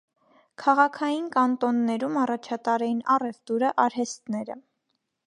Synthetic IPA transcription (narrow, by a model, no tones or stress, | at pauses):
kʰɑʁɑkʰɑjinkɑnt̪ɔnːɛɾumɑrɑt͡ʃʰɑt̪ɑɾɛjinɑrɛft̪uɾəʔɑɾɦɛst̪nɛɾə̰